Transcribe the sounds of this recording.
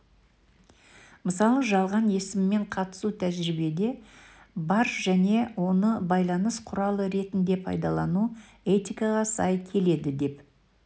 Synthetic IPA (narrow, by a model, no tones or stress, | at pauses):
məsɑlˠəʒɑlˠʁɑnje̞sɪmːe̞ɴqʰɑt̪ə̥sut̪ʰæʒɾɪbe̞d̪e̞ | bɑɾʒ̥æne̞wo̞nəbɑjlˠɑnəsqʰʊɾɑlˠəɾe̞t̪ɪnd̪e̞pʰɑ̰jd̪ɑlˠɑnu | e̞t̪ijkɑʁɑsɑ̰jkʲʰe̞le̞d̪ɪd̪e̞p